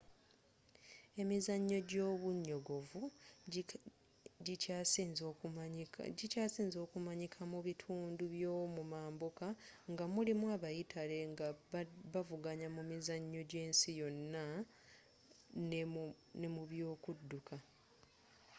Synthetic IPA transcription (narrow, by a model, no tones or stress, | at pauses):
e̞mizaɲːo̞ɟo̞ːβuɲːo̞ɡo̞vu | z | ɟicaːsiːnzo̞ːkumaɲikʰamuβitʰuːnduβjo̞ːmumaːmbokaŋɡamulimuaβajitʰale̞ŋɡaavuɡaɲamumizaɲːo̞ɟe̞ːnsijo̞nːa | n | ne̞muβjo̞ːkudːukʰa